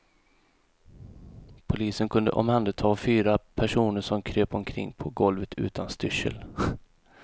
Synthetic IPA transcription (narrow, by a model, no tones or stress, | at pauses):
pʰʊliːsənkʰɵnd̪ə̰ʔɔ̰mhand̪ət̪ʰɑːfyːɾapʰæʂuːnəʂɔmkʰɾøːpɔmkʰɾɪ̰ŋːpʰɔɡɔlvət̪ʰʉ̟ːt̪ʰanst̪ʏʂə̰l